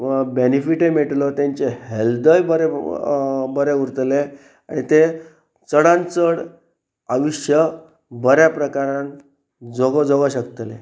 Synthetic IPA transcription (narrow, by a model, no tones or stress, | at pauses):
benifiʈemeʈlɔt̪jaɲt͡ɕeheld̪əjbəɾe | bəɾeuɾt̪le | a̰ɽ̃it̪e | t͡səɽãnt͡səɽ | aʋiɕjə | bəɾjapɾəkaɾãn | d͡zɔɡd͡zɔɡəɕəkt̪lḛ